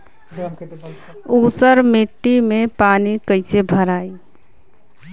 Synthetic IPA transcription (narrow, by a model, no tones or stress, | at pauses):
usəɾmeʈːimepanikəɪsebʱəɾaːi